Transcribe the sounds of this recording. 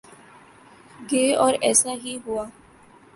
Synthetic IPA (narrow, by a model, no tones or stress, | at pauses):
ɡeɔɾɛsaɦiɦua